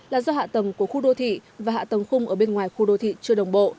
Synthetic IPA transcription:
laː˨˩zɔ˧ɦha̰ː˧˨t̪ə˨˩mku˧˩əxu˧ɗo˧t̪ʰḭ˧˨vaː˨˩a̰ː˧˨t̪ə˨˩mxʊ˧ŋ͡mʔəː˧˩ɓe˧nŋwaː˨˩jxu˧ɗo˧t̪ʰḭ˧˨t͡ɕɨ˧əɗə˨˩wŋ͡mɓo̰˧˨

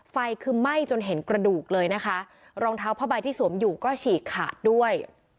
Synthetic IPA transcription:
fa˧jkʰɯː˧ma˥˩jt͡ɕo˧nɦe˩˦nkɾa˧duː˨˩k̚lɤː˧jna˦˥kʰa˦˥ʔ | ɾɔː˧ŋt̪ʰaː˦˥wpʰaː˥˩baː˧jt̪ʰiː˥˩su˩˦əmjuː˨˩kɔː˥˩t͡ɕʰiː˨˩kʰːa̰ː˨˩t̪̚du˥˩əj

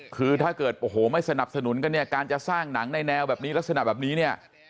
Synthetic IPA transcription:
kʰɯː˧t̪ʰaː˥˩kɤː˨˩t̪̚ʔo˧˩ɦoː˩˦ma˥˩jsa˧na˨˩p̚sa˧nu˨˩˦nka˧nːi˥˩ɐkaː˧nt͡ɕa˨˩ʔsaː˥˩ŋna˩˦ŋna˧jnɛː˧wbɛː˨˩p̚niː˦˥la˦˥k̚sa˧na̰˨˩bɛː˨˩p̚niː˦˥ni˥˩ɐ

